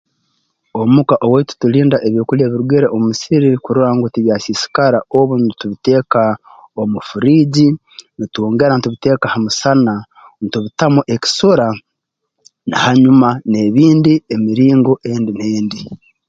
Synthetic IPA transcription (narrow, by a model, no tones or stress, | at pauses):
o̞mukaʔo̞weitu̥tuliːndaʔeβjoːkuljeːβiɾuɡeɾeʔomusiɾikuɾuɾaŋɡutiβjaːsisi̥kaɾaʔoβunituβite̞ːka | omufuɾiːɟi | nituoːŋɡe̞ɾanituβite̞ːkahamusana | nituβitamuʔe̞ki̥soɾa | na̰haɲumane̞βiːndiemiɾiːŋɡoʔe̞ːndineːndi